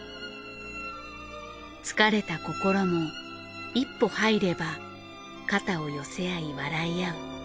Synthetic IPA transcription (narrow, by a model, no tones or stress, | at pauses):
t͡sɨ̥kaɾe̞t̪ako̞ko̞ɾo̞mo̞ | ipːo̞haiɾe̞ba | kat̪ao̞jo̞se̞aiβaɾaijaɯ